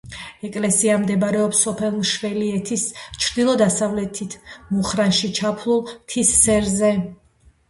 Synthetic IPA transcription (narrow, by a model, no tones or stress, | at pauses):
ɛkʼlɛsiamd̪ɛbɾɛɔpsɔpʰɛlˠmʃvɛliɛt̪ʰist͡ʃʰɾd̪ilˠɔd̪asavlɛt̪ʰit̪ʰmuχɾanʃit͡ʃʰapʰlˠulˠt̪ʰisːɛɾzɛ